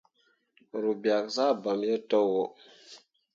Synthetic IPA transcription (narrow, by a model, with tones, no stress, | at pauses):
ɾu˨bja˨k̚za˦˨bə˨mjə˦to˦wo˨